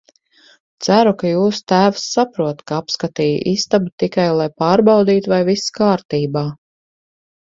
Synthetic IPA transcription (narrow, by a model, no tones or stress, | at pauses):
t̪sæɾukajuːst̪æːvsːapɾuɔt̪kaapskat̪iːj̰ʔist̪abut̪ikajlˠajpaːɾbawd̪iːt̪uvajviskaːɾt̪iːbaː